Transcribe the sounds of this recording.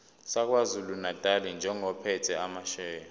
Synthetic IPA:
sak̬wazulunatʼalind͡ʒʱɛŋɔpʰɛtʰɛamaʃɛːjɔ

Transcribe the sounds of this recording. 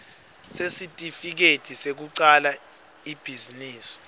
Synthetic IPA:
sesitʼifik̬ed̥ʱisek̬uǀala | ib̥ʱiziniːsi̥

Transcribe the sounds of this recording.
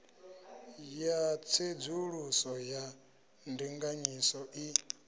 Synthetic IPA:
jat͡sʰed͡zuɺusɔja | ndiŋɡaɲisɔʔi

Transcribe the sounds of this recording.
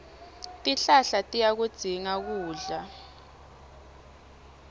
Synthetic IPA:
tʼiɬaɬatʼijak̬ud̥z̥ʱiŋak̬uːɮa

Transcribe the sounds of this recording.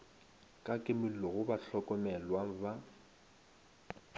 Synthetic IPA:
kʼakʼɪmɪl̩lɔɣʊbaɬɔkʼɔmɛlwaŋ̩ba

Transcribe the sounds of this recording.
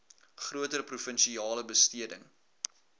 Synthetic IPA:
χruətəɾəprufənʃiɑːləbəstiədəŋ

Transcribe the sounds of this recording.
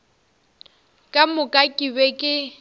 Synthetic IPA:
kʼamʊkʼakʼibekʼɪ

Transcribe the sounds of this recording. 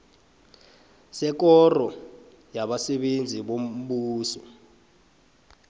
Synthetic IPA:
sɛk̬ɔrɔ | jaɓasɛɓend͡zʱiɓom̩ɓuːsɔ

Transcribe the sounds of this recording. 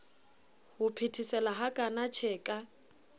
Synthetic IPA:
hʊpʰitʰisɛlaɦakʼanat͡ʃʰɛːkʼa

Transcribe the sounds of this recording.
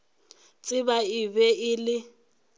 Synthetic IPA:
t͡sʼɪbaɪbɛɪlɪ

